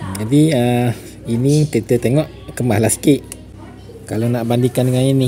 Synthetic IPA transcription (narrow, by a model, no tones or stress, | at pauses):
d͡ʒadiə | init̪et̪ət̪eŋɔʔ | kəmahlaskiʔ | kalonaʔbandikandəŋanini